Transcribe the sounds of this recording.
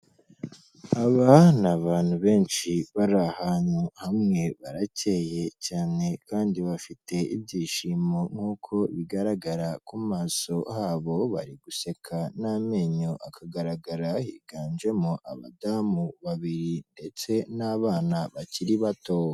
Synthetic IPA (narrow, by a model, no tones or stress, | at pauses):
aβanaβaːn̥huβe̞ːnʃiβaɾahaɲuhamŋe̞βaɾace̞je̞caːne̞kaːndiβafitʰe̞ibɟiːʃimo̞ŋ̥huːkʰo̞βiɡaɾaɡaɾakumaːso̞haːβo̞βa̰ɾiɡuse̞kʰanameːɲoʔakʰaɡaɾaɡaɾahiɡ̥aːnd͡ʒe̞moʔa̰βa̰damuβaβiɾinde̞t͡se̞naβaːnaβaciɾiβatoːwa